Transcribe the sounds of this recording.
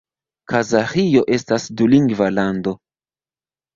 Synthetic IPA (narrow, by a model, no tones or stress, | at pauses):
kʰazaχijo̞ʔe̞stasduliŋɡvalando̞